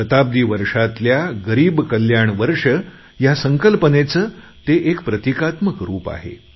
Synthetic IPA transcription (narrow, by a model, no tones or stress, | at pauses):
ət̪ab̚d̪iːʋəɾʂat̪ljaɡəɾiːbkəljaɳʋəɾʂə | jasəŋkəlpənet͡səː | t̪eʔekpɾət̪ikat̪məkɾuːpa̰ɦḛ